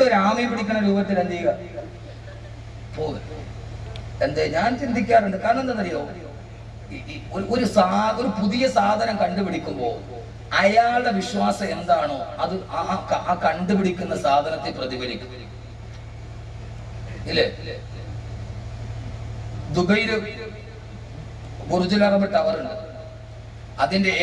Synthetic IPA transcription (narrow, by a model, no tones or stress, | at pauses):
eɾaːmipiɽikʲːuɳːɐɾuːbɐt̪ːilend̪iːɣɐ | poː | end̪eɲaːnt͡ɕind̪ʱikʲːaːreɳɖɨkaːɳend̪ɐnɐrijo | oɾoɾusaːo̞ɾupuðijɐsaːd̪ʱɐnɐmkɐɳɖupiɽikʲːumbo̞ː | ɐjaːɭɖe̞ʋiɕwaːsɐmend̪aːɳoːɐðɨaːkɐɳɖɨpiɽikʲːunːɐsaːd̪ʱɐnɐt̪ːeprɐðiɡɐɾikʲːum | ilːe | d̪ubɐjɾɨ | burud͡ʑulaːɣɐmeʈːɐʋɐruɳɖɨ | ɐðinde̞